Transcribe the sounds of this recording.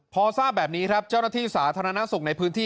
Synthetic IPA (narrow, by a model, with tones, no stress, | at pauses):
pʰɔː˧saː˥˩p̚bɛː˨˩p̚niː˦˥kʰɾa˦˥p̚t͡ɕa˥˩wnaː˥˩t̪ʰiː˥˩saː˩˦t̪ʰaː˧ɾa˧na˦˥su˨˩k̚na˧jpʰɯː˦˥nt̪ʰiː˥˩